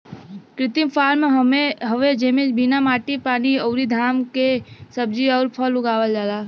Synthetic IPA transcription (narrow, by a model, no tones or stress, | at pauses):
kɾɪt̪impʰaːɾmeɦeɦəʋed͡ʒeːmebinamaːʈipaːniɔʊɾid̪ʱaːmkesəb̚d͡ʒiɔːɾpʰəlʊɡaːʋəld͡ʒaːlaː